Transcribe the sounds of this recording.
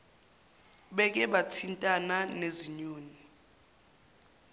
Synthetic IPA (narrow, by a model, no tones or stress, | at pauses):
ɓɛk̬ɛɓatʰintʼananeziɲoːni